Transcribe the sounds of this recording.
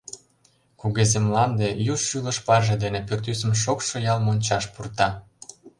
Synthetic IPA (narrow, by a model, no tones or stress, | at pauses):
kuɣezemlɑnd̪ejuʃːylə̆ʃpɑrʒĕd̪enepørt̪ysə̆mʃ̬okʃŏjɑlmonʲt͡ɕɑʃpurt̪ɑ